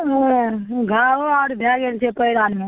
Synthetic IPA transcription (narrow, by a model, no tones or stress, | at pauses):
ɡʱaoaːɽb̪ʱjaːɡelt͡ʃʰepəɪɾaːnmẽ